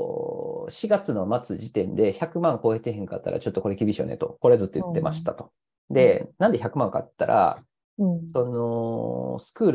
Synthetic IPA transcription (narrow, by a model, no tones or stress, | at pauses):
ɕiɡat͡sɨno̞mat͡sɨʑit̪ẽ̞nd̪e̞çakɯ̟mãŋko̞ːet̪ːeɦẽ̞ŋka̰t̪ːa̰ɾa̰t͡ɕo̞t̪ːoko̞ɾe̞kʲibʲiɕio̰nḛt̪o̞̰ko̞ɾe̞d͡zɨt̪ːojɯt̪ːe̞mʔaɕi̥t̪at̪o̞̥ | d̪e̞nãnd̪e̞çakɯ̟mãŋka̰t̪ːa̰ɾʔa̰ | so̞no̞sɨ̥kɯ̟ːɾ